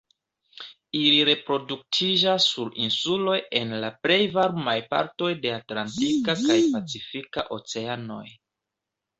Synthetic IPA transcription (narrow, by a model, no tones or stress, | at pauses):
iliɾe̞pɾo̞duk̚tʰid͡ʒasːuɾinsulo̞je̞nlaple̞jvaɾmajpa̰ɾto̞jde̞atlantikakajpat͡sifika̰ʔo̞t͡se̞ano̞̰j